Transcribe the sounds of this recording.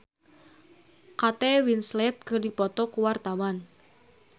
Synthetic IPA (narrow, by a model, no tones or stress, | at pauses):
kat̪ɛwinslɛt̪̚kərdipɔt̪ɔkuwart̪awan